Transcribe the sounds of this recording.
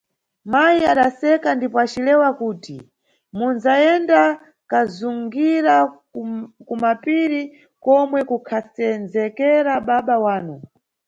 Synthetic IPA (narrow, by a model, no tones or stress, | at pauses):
majiaɗasɛkandipɔat͡ʃilɛwakuːti | munzaɛnda | kazuŋɡiɾa | kumapiɾi | kɔmwɛkukʰasɛnzɛkɛɾaɓaɓawaːnu